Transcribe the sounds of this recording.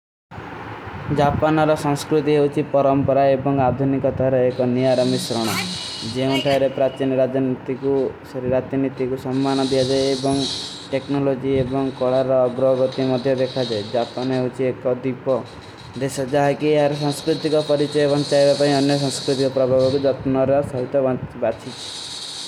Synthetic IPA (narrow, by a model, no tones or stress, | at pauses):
d͡ʒapanɔɾɔsɔ̃ŋ̃skɾut̪iɦeut͡ʃʰipɔɾɔmpɔɾaebɔŋad̪ʱunikɔt̪aɾɔekɔniaɾɔmisɾɔɽ̃ɔ | d͡ʒeũʈʰaɾepɾat͡ʃinɔɾad͡ʒɔnit̪ikusɔɾiɾat̪init̪ikusɔmːanɔd̪ijad͡ʒaeebɔŋʈeknɔlod͡ʒiebɔŋkɔɭaɾɔːɡɾɔɡɔt̪imɔd̪ʱjɔd̪ekʰad͡ʒaed͡ʒapaneɦut͡ʃʰiekɔd̪ipɔ | d̪esɔd͡ʒaɦakieɦaɾesaŋskɾut̪ikɔpɔɾit͡ʃɔjɔbɔŋt͡ʃaebapaĩɔnjɔs̬ɔ̃ŋskɾit̪ikɔpɾɔbʱabɔkud͡ʒɔt̪nɔɾɔsɔɦit̪ɔbabat͡ʃʰit͡ʃʰi̥